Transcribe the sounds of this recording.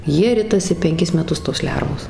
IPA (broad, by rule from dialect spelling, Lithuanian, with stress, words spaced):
ˈjiɛ ˈrʲɪtɐsʲɪ pʲɛŋʲˈkʲɪs mʲɛˈtʊs toːs ˈlʲɛrʋoːs